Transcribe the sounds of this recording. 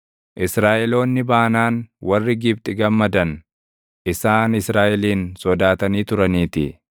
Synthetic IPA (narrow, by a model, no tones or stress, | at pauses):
ʔɪsɾaːʔɛlo̞ːnːɪbaːnaːnwɐrːɪɡɪbt̪ʼɪɡɐmːɐd̪ɐn | ʔɪsaːnɪsɾaːʔɛliːnsɔd̪aːt̪ɐniːt̪ʊɾɐniːt̪ɪ